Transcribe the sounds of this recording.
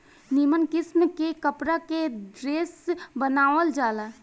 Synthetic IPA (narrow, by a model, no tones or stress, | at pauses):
nimənkɪsmkekəpɾaked̪ɾeːsbənaːʋəld͡ʒaːla